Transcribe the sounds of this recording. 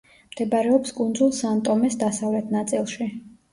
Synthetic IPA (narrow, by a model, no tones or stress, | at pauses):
md̪̥ɛbaɾɛɔpskʼund̪zulˠsant̪ʼɔmɛsd̪asavlɛt̪ʰnat̪sʼilˠʃi